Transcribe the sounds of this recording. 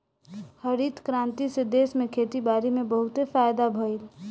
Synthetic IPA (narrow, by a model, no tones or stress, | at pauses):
həɾit̪kɾãnt̪ised̪esmẽkʰet̪ibaːɾimebəɦʊt̪efajd̪abʱəil